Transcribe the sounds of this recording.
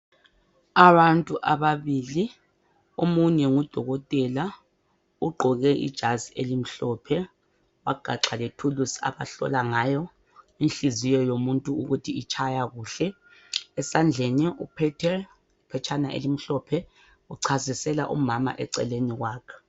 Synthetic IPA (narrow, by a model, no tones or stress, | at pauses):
aβantʼuʔaβaβili | omuɲɛŋud̥ʱɔɣɔtʼɛla | uɡ͡ǃʱɔɣɛʔḭd̥ʒ̥ʱazielim̩ɬɔːpʰɛ | waɡ͡ǃ̥ʱaǁaletʰulusa̰βa̰ɬɔ̰laŋaːjɔ | inɬizijɔjomuntʼuuɣutʰiːt͡ʃʰajaɣuːɬɛː | sand͡ɮʱenɛupʰɛtʰɛr | ipʰɛt͡ʃʰanaʔḛlim̩ɬɔpʰɛ | uǀʰazisɛla̰ʔṵmama̰ʔɛ̰ǀɛ̰leniɣwaːkʰɛ̥